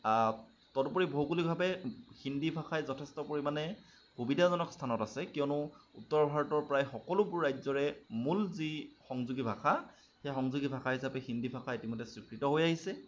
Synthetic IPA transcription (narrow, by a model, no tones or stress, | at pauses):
a | tɔtpoɹibʱowkulibʱabɛxindibʱakʰajzɔtʰɛstɔpoɹimanɛ | xubidʱazɔnɔkstʰanɔtasɛkijɔnʊutːɔɹɔbʱaɹɔtɔɹpɹajxɔkɔlʊbʊɹːajzɔɹɛmulzixɔŋzuɡibʱaxʰa | xejxɔŋzuɡibʱakʰaɦisapɛxindibʱakʰaitimɔjdɛsɹikɹitɔɦojaɦisɛ